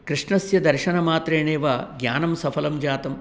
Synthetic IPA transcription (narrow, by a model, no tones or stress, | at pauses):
kɾiʂɳɐsjɐd̪ɐɾʃɐnɐmaːt̪ɾeːɳeːʋɐɡɲaːnɐmsɐpʰɐlɐmd͡ʒaːt̪ɐm